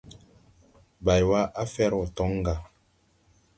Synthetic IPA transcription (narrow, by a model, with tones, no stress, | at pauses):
ba˨jwa˦ʔa˦fɛ˦ɾɔ˨tɔ˨˦ŋ˦ɡa˨